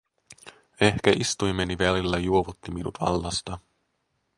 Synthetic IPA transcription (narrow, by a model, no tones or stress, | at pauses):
e̞hkæʔist̪ujmeniʋælilːæjuo̞ʋut̪ːiminṵt̪ʋɑ̰lːɑst̪ɑ